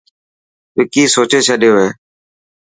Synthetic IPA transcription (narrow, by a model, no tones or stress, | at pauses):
pɪkiːsoːt͡ʃeːt͡ʃʰəɗɪjoːɦeː